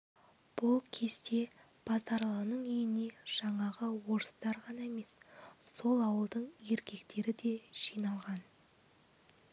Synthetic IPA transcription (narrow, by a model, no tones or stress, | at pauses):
b̥ʊlˠkʲʰe̞st̪e̞ | b̥ɑzɑɾlˠɑnəɴʏjɪne̞ʒ̥ɑɴɑʁəwo̞ɾəst̪ɑɾʁɑnɑeme̞sso̞lˠɑwəlˠd̪əɴje̞ɾkʲe̞kt̪e̞ɾɪd̪e̞ʒ̥ijnɑlˠʁɑn